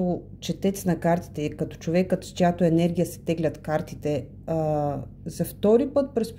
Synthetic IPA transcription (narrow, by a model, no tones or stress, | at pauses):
o | t͡ʃɛt̪ɛt̪snɐkaɾt̪i̥t̪ɛikɐt̪ɔ̥t͡ʃovɛkːət̪st͡ʃojat̪oɛnɛɾɡ̟ʲijəsɛ̥t̪ɛɡlʲɐt̪kaɾt̪it̪ɛ | zɐft̪ɔɾipɤt̪̚pɾɛsp